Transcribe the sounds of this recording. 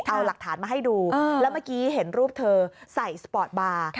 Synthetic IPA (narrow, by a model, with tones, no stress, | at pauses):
ʔa˧wla˨˩k̚t̪ʰaː˩˦nmaː˧ɦa˥˩jduː˧lɛ˦˥wmaː˥˩kiː˦˥ɦe˩˦nɾuː˥˩p̚t̪ʰɤː˧sa˨˩jsa˧pɔː˨˩t̪̚baː˧